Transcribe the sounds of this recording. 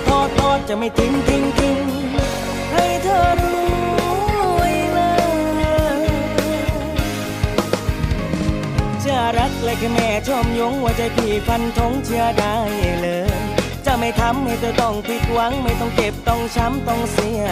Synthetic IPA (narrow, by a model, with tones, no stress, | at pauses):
t̪ʰɔː˧˩t̪ɔː˧˩t̪̚t͡ɕa˨˩ma˥˧˩jt̪ʰi˧˥ŋt̪ʰi˧ŋt̪ʰi˧ŋ | ha˧˩jt̪ʰɤː˧˩t̪̚luːuː˧˦˥o˧˩jlɤː˧˥lɤː˧ | t͡ɕʰɯ˧˩ɐɾa˦˥k̚lɤː˧˩jkʰa˧˩mɛː˧˩t͡ɕʰɔ˧˩mjo˧˥ŋwa˧˩t͡ɕa˧˩pʰiː˨˩kʰa˧nt̪ʰo˧˥ŋt͡ɕʰɯ˧˥ɐdaː˧˥a˨˩lɤː˧˦ | t͡ɕa˧˩ma˥˩jt̪ʰa˧˥mːa˧˩jt̪ʰɤː˧˩t̪ɔ˧˩ŋpʰi˧˥k̪̚wa˧˥ŋma˥˩jt̪ɔ˥˧˩ŋke˨˩p̚t̪ɔ˧˩ŋt͡ɕʰa˦˥mt̪ɔ˧˩ŋsi˧˥ɐ